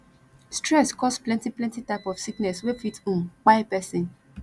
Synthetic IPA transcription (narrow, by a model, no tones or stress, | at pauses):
stɹɛskɔsplɛ̃ntiplɛ̃ntitaɪpɔfsiknɛswefitũmk͡paepɛsĩn